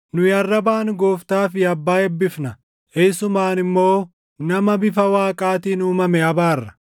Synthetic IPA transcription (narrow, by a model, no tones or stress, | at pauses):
nʊjɐrːɐbaːnɡoːft̪aːfɪɐbːaːɛbːɪfnɐ | esʊmaːnɪmːo̞ː | nɐmɐbɪfɐwaːkʼaːt̪iːnuːmɐmɛɐbaːrːɐ̥